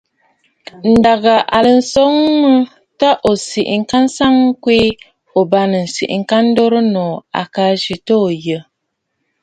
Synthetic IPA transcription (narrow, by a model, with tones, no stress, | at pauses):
n̩˨da˨ɣa˨ʔa˨lə˨n̩˦˨so˦ŋmə˦ | ta˦ʔo˨si˨ʔŋ̩˦˨ka˦n̩˦sa˦ŋ̩˦kwe˦ | o˨ba˦nə˨n̩˨sḭ˨ʔŋ̩˦˨ka˦n̩˦do˦ɾə˦nɔ˨a̰˨ka˨˦ʒi˨to˦˨jə˨